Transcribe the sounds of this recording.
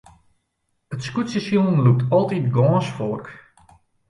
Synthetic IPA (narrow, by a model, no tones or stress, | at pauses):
ətskutsəsjonluk̚tʰɔlˠtitɡɔːsfork